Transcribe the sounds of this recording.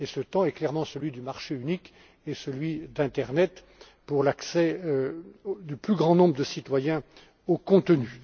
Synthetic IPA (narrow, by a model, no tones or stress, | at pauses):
esət̪ɑ̃ɛklɛʁmɑ̃səlɥid̪ymaʁʃeynik | esəlɥid̪ɛ̃t̪ɛʁnɛt̪ | puʁlaksɛ | d̪yplyɡʁɑ̃nɔ̃bʁəd̪əsit̪wajɛ̃ | okɔ̃t̪əny